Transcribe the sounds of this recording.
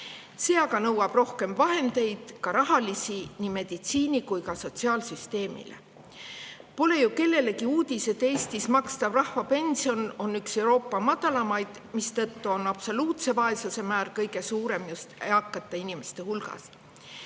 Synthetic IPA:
se̞ːɑɡɑnɤwːɑb̥ro̞hke̞mvɑɦe̞nd̪̥e̞jd̪̥kɑɾɑɦɑlisinime̞d̪̥it̪siːnikujkɑso̞t̪siɑːlsyst̪e̞ːmḭle̞̰ | po̞le̞juke̞lːe̞le̞kiuːd̪̥ise̞d̪̥e̞ːst̪ismɑkst̪ɑvrɑhvɑpe̞nsio̞no̞nːykse̞wɾo̞ːpːˑɑmɑd̪̥ɑlɑmɑjd̪̥ | mist̪ɤt̪ːuo̞nɑb̥so̞luːt̪se̞vɑe̞suse̞mæːrkɤjɡe̞suːɾe̞mjust̪eɑkːˑɑt̪ːˑɑinime̞st̪e̞hulɡɑ̰s

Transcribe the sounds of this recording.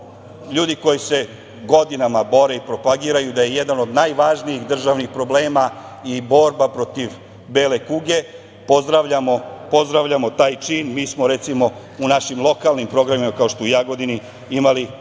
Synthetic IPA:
ʎuːd̪iko̞jise̞ | ɡo̞d̪inamabo̞ɾe̞ipɾo̞paɡiːɾajud̪aje̞jed̪ano̞d̪najʋaʒnijixd̪r̩ʒaʋnixpɾo̞bleːma | ibo̞ɾbapɾo̞t̪iʋ | beːle̞kuːɡe̞ | po̞zd̪ɾaʋʎamo̞po̞zd̪ɾaʋʎamo̞t̪aːjt͡ʃiːnmiːsmo̞ɾet̪simo̞ | unaʃimlˠo̞kalˠnimpɾo̞ɡɾamimakao̞ʃt̪oijaːɡo̞d̪ini | imali

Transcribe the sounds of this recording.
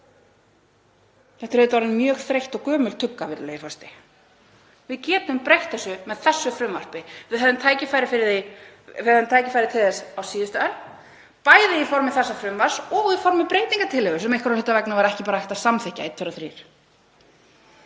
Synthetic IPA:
θɛht̪ʏɾɛɪt̪vaɾɪnmjœːɣθɾejht̪ɔɣkœːmʏlt̪ʰʏkːavɪɾlejɪfɔst̪ɪ | vɪðcɛːt̪ʏmpɾejht̪θɛsːʏmɛðθɛsːʏfɾʏmvar̥pɪvɪðɛðʏmt̪ʰaːjcɪfajɾɪfɪɾɪɪ | ɪɛðʏmt̪ʰaːjcɪfajɾɪt̪ʰɪlθɛsawsiːðʏst̪ʏal | paːjðɪifɔɾmɪθɛsːafɾʏmvaɾ̥sɔɣifɔɾmɪpɾeːjt̪iŋkat̪ʰɪlʏɣʏsɛmejhkɾalɪht̪avɛknavaɾaɛhcɪpaːɾaɛht̪asamθɛhcːaet̪ʰœɾaθɾḭːɾ̥

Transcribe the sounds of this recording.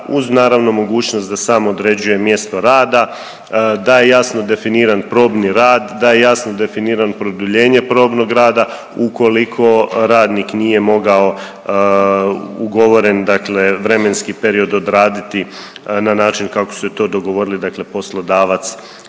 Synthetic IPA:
uznaːɾaʋno̞mo̞ɡuːt͡ɕnost̪d̪asaːmod̪ɾed͡ʑuje̞mje̞st̪o̞ɾaːd̪a | d̪aje̞jasno̞d̪e̞finiːɾanpɾo̞ːbniɾaːd̪ːaje̞jasnod̪e̞finiːɾanpɾod̪uʎe̞ːɲe̞pɾo̞ːbno̞ɡɾaːd̪a | uko̞likʰo̞ɾaːd̪niknije̞mo̞ɡao̞ | uɡo̞ʋo̞ɾe̞nd̪akleʋɾe̞me̞nskipe̞ɾio̞d̪o̞d̪ɾaːd̪it̪i | nanaːt͡ʃinkakosuset̪o̞ːd̪o̞ɡo̞ʋo̞ɾilid̪akle̞po̞slˠod̪aːʋat̪s

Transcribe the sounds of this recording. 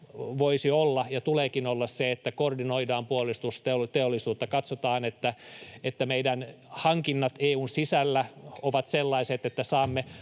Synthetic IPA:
ʋoisiolːɑjɑt̪uleːkinolːɑsseet̪ːækordinoidɑːmpuolist̪ust̪eot̪eolːisuːt̪ːɑkɑt̪sot̪ɑːnet̪ːæet̪ːæmeidæn | hɑŋkinːɑt̪eːuːnsisælːæoʋɑt̪selːɑiset̪et̪ːæsɑːmːe

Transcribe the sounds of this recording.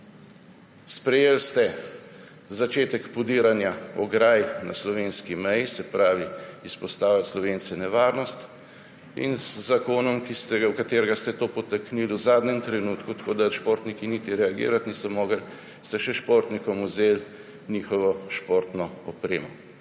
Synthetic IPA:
spɾɛjelst̪ɛ | zat͡ʃeːt̪ɛkpɔd̪iːɾanjaɔɡɾaːjna̰slɔʋeːnskimɛjisɛpɾaːʋiispɔst̪aːwlat̪slɔʋeːnsɛnɛʋaːɾnɔst̪ | ḭnzːakoːnɔmkist̪ɛɡwkat̪eːɾɛɡast̪ɛt̪oːpɔt̪ɛkniːluzaːd̪nɛmt̪ɾɛnuːt̪kut̪ḁkoːd̪aʃpoːɾt̪nikinit̪iɾɛaɡḭːɾat̪nisɔmoːɡəl | st̪ɛʃɛʃpoːɾt̪nikɔmuzeːl | nʲiːxɔʋɔʃpoɾt̪nɔɔpɾeːmɔ

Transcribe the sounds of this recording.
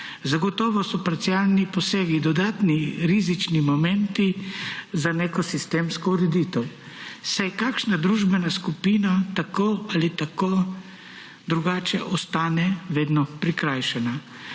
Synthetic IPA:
zaɡɔt̪ɔːʋɔsɔpaɾt̪sialnipɔseːɡid̪ɔd̪aːt̪niɾizit͡ʃnimɔmɛnt̪izanekɔsist̪eːmskɔuɾɛd̪it̪əw | sajkaːkʃnad̪ɾuːʒbɛnaskupiːnat̪akoalit̪ako | d̪ɾuɡaːt͡ʃɛʔɔst̪aːnɛʋeːd̪nɔpɾikɾajʃɛna

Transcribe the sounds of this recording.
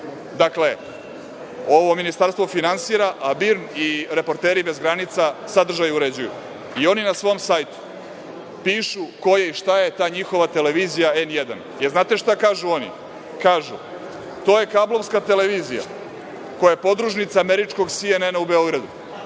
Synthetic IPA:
d̪akle̞ | o̞ʋo̞minist̪aɾst̪vo̞finansiːɾaʔabiɾniɾe̞po̞ɾt̪eːɾibezɡɾanit̪sasad̪r̩ʒajuɾe̞d͡ʑujṵ | io̞ninasʋo̞msajt̪u̥ | piːʃuko̞jaiʃt̪aje̞t̪aːɲixo̞ʋat̪e̞le̞ʋizijaenjed̪a̰n | jeɾznaːt̪e̞ʃt̪akaːʒuo̞nḭ | kaːʒṵ | t̪o̞ːje̞kablˠo̞vskat̪e̞leʋiːzija̰ | ko̞japo̞d̪ɾuʃnit̪saːmeɾit͡ʃko̞ɡsienenaube̞o̞ɡɾad̪ṵ

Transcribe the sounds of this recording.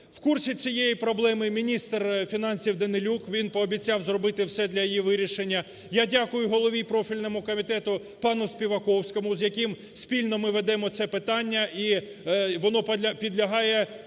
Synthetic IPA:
w̥kursʲit͡sʲijejipɾɔblˠɛmɪmʲinʲist̪rfʲinɑnʲsʲiwd̪ɐnɪlʲukʋʲinpɔːbʲit͡sʲɑwzrɔbɪt̪ɪwsɛd̪lʲɐjijiʋɪɾʲiʃenʲːɐ | jadʲakʊjʊɦɔlˠɔʋʲipɾɔfʲilʲnɔmʊkɔmʲit̪ɛt̪ʊ | pɑnʊspʲiʋɐkɔwsʲkɔmʊzjɐkɪm | sʲpʲilʲnɔmɪʋed̪ɛmɔt̪sɛpɪt̪ɑnʲːɐʔi | ʋɔnɔpʲpʲid̪lʲɐɦɑjɛ

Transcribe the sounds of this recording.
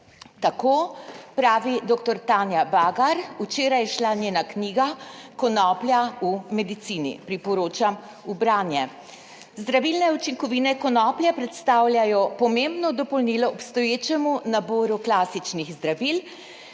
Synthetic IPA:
t̪akoːpɾaːʋid̪oːkt̪ɔɾt̪aːnjabaːɡaɾut͡ʃeːɾajɛʃlanjeːnakniːɡakɔnɔːplʲjaumɛd̪it̪siːnḭpɾipɔɾoːt͡ʃam | ubɾaːnjɛ | zd̪ɾaʋilnɛut͡ʃiŋkɔʋiːnɛkɔnɔːpljapɾɛt̪st̪aːwljajɔpɔmembnɔd̪ɔpɔlniːlɔɔpst̪ɔjeːt͡ʃɛmunaboːɾuklaːsit͡ʃniɣzd̪ɾaʋil

